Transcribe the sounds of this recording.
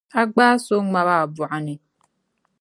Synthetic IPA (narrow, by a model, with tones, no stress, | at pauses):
a˦ɡ͡baː˦so˦ŋ͡ma˨βa˨bʊ˨a˨ni˨